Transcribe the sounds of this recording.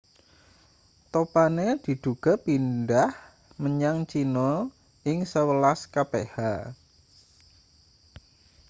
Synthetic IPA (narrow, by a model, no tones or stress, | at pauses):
t̪opaned̪̥i̤d̪̥uɡ̥a̤pinɖah | məɲaŋt͡ʃinɔ | ɪŋsəwəlaskapeha